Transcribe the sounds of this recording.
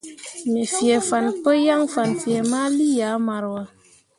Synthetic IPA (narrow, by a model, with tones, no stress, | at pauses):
me˨fije˨fa˨npə˦ja˦ŋfa˨nfje˨ma˦li˦ja˨˦ma˨ɾwa˨